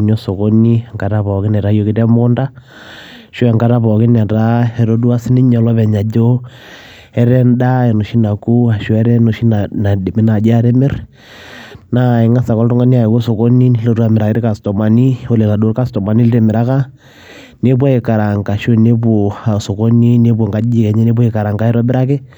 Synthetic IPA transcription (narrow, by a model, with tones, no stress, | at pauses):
no˦so˨ko˦ni˦˨ŋka˨ta˦pɔ˨kɪ˦nɛ˨ɾa˦jo˦kɪ˦tɛ˦m˦kʊ˦nda˦ | ʃo˦ɛ˨ŋka˦ta˦pɔ˨kɪ˦na˨ta˦ɛ˨ɾo˦du˦a˦sɪ˦ni˦ɲɔ˨lɔ˦βɛ˨ɲa˨d͡ʒo˦ | ɛ˦ɾɛ˦nda˦ɛ˨no˨ʃi˦na˨ku˦a˨ʃo˦ɛ˦ɾɛ˦no˨ʃi˦n˨na˨di˨mɪ˦na˨d͡ʒa˦ɾe˦mɪ˦r | na˨i˨ŋa˦sa˨kɔ˦ltʊ˦ŋa˦ni˦a˨ko˦so˨ko˦ni˦lo˦tu˦a˨mɪ˨ɾa˨kɪ˦ɾɪ˦ka˨stɔ˨ma˨ni˦o˦le˨la˨do˦ka˦stɔ˨ma˨ni˦lɾe˨mɪ˨ɾa˦ka˦ | ne˦p̬wa˦i˨ka˨ɾa˨ŋka˨ʃo˦˨ne˦bo˨a˨so˨ko˦ni˦ne˦bo˨ŋɡa˦d͡ʒi˦kɛ˨ɲɛ˦ne˦bu˦ɪ˨ka˨ɾa˨ŋɡa˦ɛ˦ɾɔ˦bɪ˦ɾa˦kɪ˦